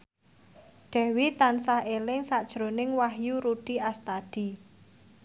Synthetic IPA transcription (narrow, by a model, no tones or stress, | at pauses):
ɖ̪̥ɛ̤wit̪ansahelɪŋsad̥ʒ̥ɾonɪŋwahjuɾuɖ̥iast̪ad̪̥i̤